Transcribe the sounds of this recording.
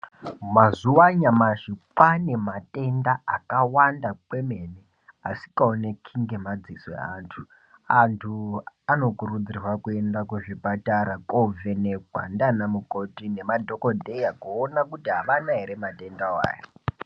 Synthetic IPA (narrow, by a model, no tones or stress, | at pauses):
mazuwaɲamaʐipane̞matʼe̞ndaːkawandakwe̞me̞ne | asi̥kaonekʰiŋɡe̞mad͡ziswḛa̰ntʰu | antʰuano̞kurud͡zirwakue̞ndakuʐipataɾakʼoveneɡʱwa̰ndanamuko̞tine̞madʱo̞kodʱejakuːnakutiɦaʋanaɦeɾematʼe̞ndawa̰ːja